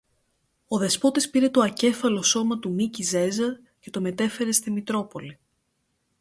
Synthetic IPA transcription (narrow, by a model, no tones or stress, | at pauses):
o̞ðe̞spo̞t̪ispiɾe̞t̪oɐce̞fɐlo̞so̞mɐt̪umicize̞zɐɾ | ce̞t̪o̞me̞t̪e̞fe̞ɾe̞st̪imit̪ɾo̞po̞li